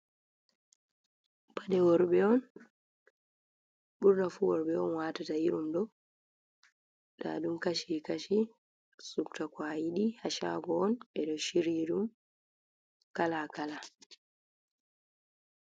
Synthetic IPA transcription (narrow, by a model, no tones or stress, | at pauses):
padɛwɔɾbɛɔn | buɾnafuwɔɾbɛɔnwaːtataiɾumdɔ | ɗa̰ɗumkaʃikaʃi | suktakwajiɗihaʃa̰ɡɔːnɛɗɔʃiɾiɗum | kalakala